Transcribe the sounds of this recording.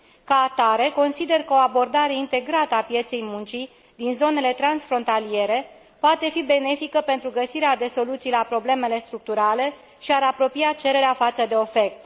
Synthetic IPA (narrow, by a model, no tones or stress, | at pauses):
kaːt̪aɾe̞ko̞nsid̪e̞rkəo̞abo̞rd̪aɾe̞int̪e̞ɡɾat̪əapje̞t̪se̞jmunt͡ʃi | d̪inzo̞ne̞le̞t̪ɾansfɾo̞nt̪alije̞ɾe̞ | poat̪e̞fibe̞ne̞fikəpe̞nt̪ɾuɡəsiɾead̪e̞so̞lut̪sijlapɾo̞ble̞me̞le̞st̪ɾuk̚t̪uɾale̞ | ʃiaɾapɾo̞pijat͡ʃe̞ɾe̞ɾeafat̪səd̪e̞o̞fe̞k̚t̪